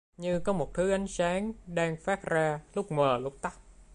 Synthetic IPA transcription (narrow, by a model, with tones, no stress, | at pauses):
ɲɨ˧kɔ˨˦mo˨˩t̚t̪ʰɨ˨˦ʔa˨˦jŋ̟saː˨˦ŋɗaː˧ŋfaː˦˥t̚zaː˧lʊ˦˥k͡p̚məː˨˩lʊ˦˥k͡p̚t̪a˦˥k̚